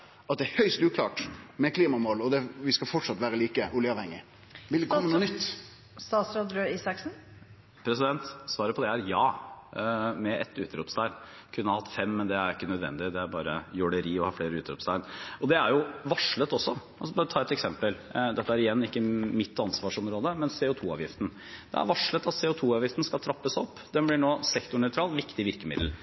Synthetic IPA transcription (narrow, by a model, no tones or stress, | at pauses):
ʔɑt̪̚d̪ɛæhœʏst̪ʉːkʰlɑːʈmɛkʰliːmɑmoːlɔd̪ɛʋɪskɑfɔʈʂɑt̪ʋæːɾəliːkəʔʊljəɑʋhɛŋːɪ̰ | ʋɪld̪ɛkɔmːənuːnʏt̪ː | st̪ɑːt̪sɾoːd̪ɾøːiːsɑksn̩ | pʰɾɛsɪd̪ɛnt̪sʋɑːɾəpʰɔd̪ɛæɾjɑː | mɛɛt̪ːʉːt̪əɾʊpst̪ʰæɪn | kʰʉnːəhɑhɑt̪ːfɛmːɛnd̪ɛæɾɪkːənœd̪ʋɛ̰nd̪ɪd̪ɛæɾbɑːɾəjɔɖəɾiːɔhɑfleːɾəʉːt̪əɾʊpst̪æɪnɔd̪ɛæɾjʊʋɑʂɭət̪ɔsːɔʔɑlsɔbɑːɾət̪ʰɑːɛt̪ɛksɛmpəld̪ɛt̪ːəæɾɪjɛnːɪkːəmɪt̪ːɑnsʋɑːʂɔmɾoːd̪əmɛnseʊːt̪ʰuːɑ̰ːʋjɪft̪n̩ | d̪̥ɛ̰æ̰ɾʋɑʂɭət̪ɑt̪sɛːʊt̪ʰuːɑːʋjɪft̪n̩skɑlt̪ʰɾɑpːəsɔpːd̪ɛnblɪɳoːsɛkt̪ʊɳœʏt̪ʰɾɑːlʋɪkt̪ɪʋɪɾkəmɪd̪l̩